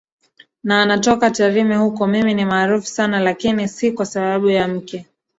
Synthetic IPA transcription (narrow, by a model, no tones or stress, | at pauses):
naːnatɔkataɾimɛhukɔmiminimaːɾufu̥sanalakinisikwasaɓaɓujam̩kɛ